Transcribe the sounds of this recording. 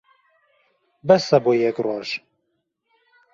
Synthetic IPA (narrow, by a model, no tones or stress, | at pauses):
bɛsɐbojɛkroːʒ̥